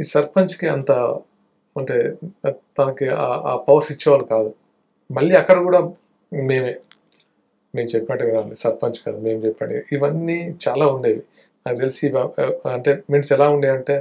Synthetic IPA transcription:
isɐɾpɐnt͡ʃkiɐnt̪a | ɐɳʈeːt̪ɐnɐkiaːaːpɐʋɐɾsit͡ʃːɐʋaːlukaːd̪u | mɐɭːiɐkːɐɽɐkuːɽaː | me̞ːmeː | me̞ːmt͡ʃɛpːɐʈːɐɡɐɾaːnisɐɾpɐɲt͡ʃkaːd̪ume̞ːmt͡ʃɛpːɐ̰ɳɖiiʋɐnːit͡ʃaːlaːuɳɖeːji | nat̪elisiɐɐɳʈeːmeɳʈsɛlaːuɳɖiɐɳʈe̞ː

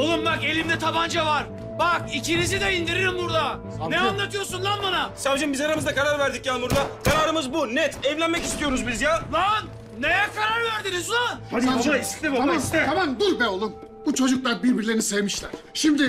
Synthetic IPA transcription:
olˠumbake̞lʲimd̪ɛt̪ʰaband͡ʒavaɾ | bak̚it͡ʃʰeniz̬id̪ɛind̪iɾiɾimbuɾd̪a | ɛanˠat̪ʰɯjo̞ɾsunlˠaɾbanasavd͡ʒɯmbizaɾamɯzd̪akʰaɾaɾvæɾd̪icjaːmbuɾd̪akʰaɾaːɾɯmɯzbunɛt̪ʰɛvlʲænmɛcist̪ijo̞ɾuzbizjavan | nejɛkʰaɾaɾvæɾd̪inizonaad̪aaislʲɛbaammsɛamamd̪ulʲbɛolˠum | but͡ʃʰo̞d͡ʒuklˠaɾbiɾbiɾlʲeɾinisɛvmiʃlʲæɾ̥ʃimd̪ɪ

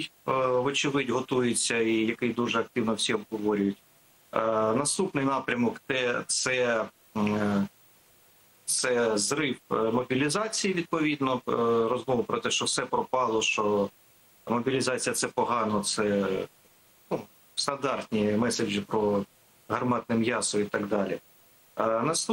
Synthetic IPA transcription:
jʋɔt͡ʃɪʋɪdʲɦɔt̪ujɪt͡sʲːɐijɐkɪjd̪uʒɛɐk̚t̪ɪwnɔwsʲiɔbɦɔʋɔɾʲʊjʊtʲ | nɐst̪upnɪjnɑpɾʲɐmɔkt̪ɛt̪sɛ | t̪sɛzrɪwmɔbʲilʲizɑt͡sʲijiʋʲid̪̚pɔʋʲid̪nɔɾɔzmɔʋʊpɾɔt̪ɛʃt͡ʃɔwsɛpɾɔpɑlˠɔʃt͡ʃɔ | mɔbʲilʲɪzɑt͡sʲijɐt̪sɛpɔɦɑnɔt̪sɛ | nu | st̪ɐnd̪ɑrt̪ʲnʲimɛsed͡ʒɪpɾɔ | ɦɐrmɑt̪nɪmjɑsɔit̪ɑɡd̪ɑlʲḭ | nɐst̪

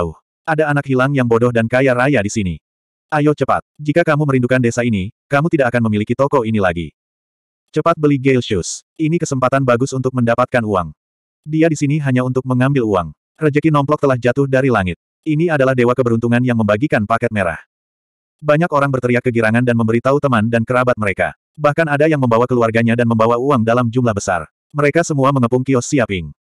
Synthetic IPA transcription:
uh | ʔadaːnakhilaŋjaŋbɔdɔhdankajaɾajadisinḭ | ʔajɔt͡ʃəpa̰t̪̚d͡ʒikakamuməɾindukandesainikamut̪idakakanməmilikit̪ɔkɔinilaɡḭ | t͡ʃəpat̪̚bəliɡelʃus | inikəsəmpat̪anbaɡʊsunt̪ʊk̚məndapat̪̚kanua̰ŋ | diadisiniɦaɲaunt̪ʊk̚məŋambɪlua̰ŋ | rəd͡ʒəkinɔmplɔk̚t̪əlahd͡ʒat̪ʊhdaɾilaŋɪt̪̚ | iniadalahdewakəbəɾunt̪uŋanjaŋməmbaɡikanpakɛt̪̚meɾa̰h | baɲakoɾaŋbərt̪əɾiat̪̚kəɡiɾaŋandanməmbəɾit̪aut̪əmandankəɾabat̪̚məɾeka̰ | bahkanadajaŋməmbawakəluarɡaɲadanməmbawauaŋdalamd͡ʒumlahbəsa̰r | məɾekasəmuaməŋəpuŋkiɔsiapɪŋ

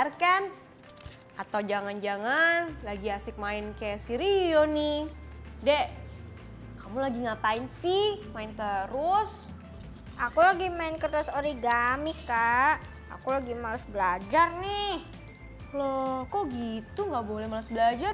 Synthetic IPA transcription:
rkan | at̪awd͡ʒaŋand͡ʒaŋanlaɡiasɪk̚maɪnkajasiɾionɪ | dɛ | kamulaɡiŋapaɪnsɪmaɪnt̪əɾʊs | akulaɡimaɪnkərt̪asoɾiɡamɪkaʔ | a̰kulaɡimalasbəlad͡ʒarnɪh | lɔkoɡit̪uŋɡabolɛhmalasbəlad͡ʒar

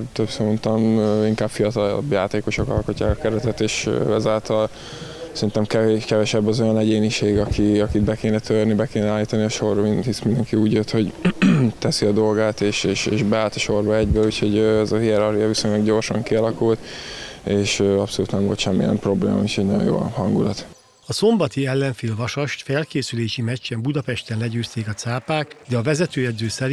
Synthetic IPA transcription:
t̪øpsount̪ɒmøiŋkaːb̥fijɒt̪ɒl̰bjaːt̪eːko̞ʃo̞kɒ̰lko̞cːa̰ːkɒkɛɾɛt̪ɛt̪eːʃø̰ɛzaːlt̪ɒl | sɛɾint̪ɛmkɛkɛvɛʃɛbːɒzo̞jɒnɛɟeːniʃeːɡɒkʰiɒkid̪bɛkeːnɛt̪ørnibɛkeːnɛaːlːiːt̪ɒniɒʃo̞rʋinhismind̪ɛŋkiuːɟjøt̪ho̞ɟt̪ɛsiɒd̪o̞lɡaːt̪eːʃeːʃeːʃbɛaːlt̪ɒʃo̞rbɒɛɟbɛucho̞ɟøɛzɒɦiɛɾɒrhijɒviso̞ɲlɒɡɟo̞rʃɒŋkiɒlɒkult̪ | eːʃøɒpsoluːt̪nɛɱvo̞̰lt̪ʃɛmːḭjɛ̰mpɾo̞blḛːmɒ̰ucʰɛɟnɒjõ̰jo̰ːhɒŋɡulɒt̪ | ɒso̞mbɒt̪iɛlːɛɱfilvɒʃɒʃt̪fɛlkeːsyleːʃimɛt͡ʃːɛmbud̪ɒpɛʃt̪ɛnlɛɟøːst̪eːkɒt̪saːpaːkd̪ɛɒvɛzɛt̪øːjɛd̪zøːsɛɾi

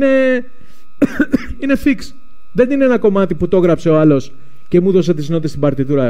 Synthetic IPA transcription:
ne̞ | ine̞fiks | ðe̞nineenɐko̞mɐt̪iput̪o̞ɣɾɐpse̞o̞ɐlo̞s | ce̞muðo̞set̪izno̞t̪t̪est̪ibɐɾt̪iðuɾɐ

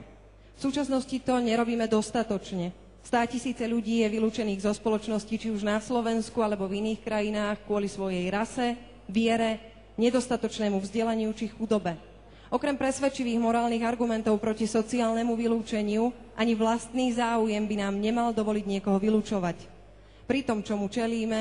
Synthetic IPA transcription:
fsuːt͡ʃasnɔscit̪ɔɲɛɾɔbiːmɛd̪ɔst̪at̪ɔt͡ʃɲɛ | st̪aːcisiːt͡sɛʎuɟiːjɛʋiluːt͡ʃɛniːɣzɔspɔlɔt͡ʃnɔscit͡ʃiuʒnaslɔʋɛnskualɛbɔviniːxkɾajinaːxkʊɔlisʋɔjɛjɾasɛ | ʋɪɛɾɛ | ɲɛd̪ɔst̪at̪ɔt͡ʃnɛːmuvzɟɛlaɲɪut͡ʃixud̪ɔbɛ | ʔɔkɾɛmpɾɛsʋɛt͡ʃiʋiːɣmɔɾaːlniːɣaɾɡumɛnt̪ɔʊpɾɔcisɔt͡siaːlnɛmuʋiluːt͡ʃɛɲɪu | ʔaɲiʋlast̪niːzaːujɛmbinaːmɲɛmald̪ɔʋɔliɟɲɪɛkɔɦɔʋiluːt͡ʃɔʋac | pɾit̪ɔmt͡ʃɔmut͡ʃɛliːmɛ

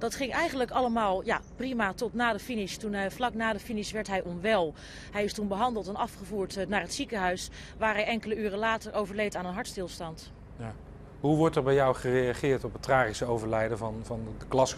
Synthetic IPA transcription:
dɑtχɪŋɛjχənləkɑləmaːlˠjaːprimatɔtnaːdəfinɪʃtunflɑknaːdəfinɪʃʋɛɹtɦɛjʔɔnʋɛlˠ | ɦɛjɪstunbəɦɑndəlˠtɛnɑfχəvuːɹtnaːɹɦətsikəɦœɥs | ʋaːɹɦɛjɛŋkələyːrəlaːtəɹʔowvəɹlejtaːnənɦɑɹtstɪlˠstɑnt | ja | ɦuʋɔɹtɛɹbɛjɔwχərejaχɪːɹtɔpətraːχisəowvəɹlɛjdəvɑnvɑndəklɑs

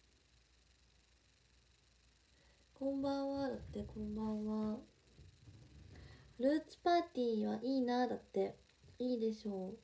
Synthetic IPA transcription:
kõmbãɰ̃βad̪at̪ːe̞kʰõ̞mbãɰ̃βa | ɾɯ̟ːt͡sɨ̥paːt̪ʲiːβaʔiːnad̪at̪ːe̞ | iːd̪e̞ɕo̞ː

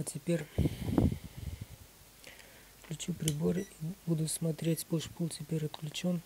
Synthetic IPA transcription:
atʲɪpʲeɾʲ | fklʲʉt͡ɕupɾʲɪboribud̪ʊsmɐt̪ɾʲetʲpoʂpulˠtʲɪpʲeɾʲɐt̪klʲʉt͡ɕon

